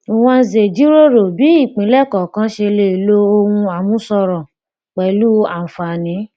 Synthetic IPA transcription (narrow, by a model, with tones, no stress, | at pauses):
i˨w̃ɔ̃˧n̩˨ze˨d͡ʒi˨˦ɾo˦ɾo˨bi˨˦i˦˨k͡pĩ˨˦lɛ˦˨kɔ˨kã˦ʃe˧le˦˨lo˦o˧wũ˧a˨mũ˨˦sɔ˧ɾɔ̃˨ | k͡pɛ˨i˨˦lu˦ã˨fa˨nĩ˨˦